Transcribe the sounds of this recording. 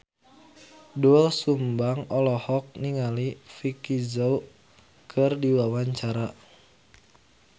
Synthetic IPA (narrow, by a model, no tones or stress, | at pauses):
duɛlsumbaŋɔlɔhɔk̚niŋalifikizɔu | kʰɨrdiwawaɲt͡ʃaɾa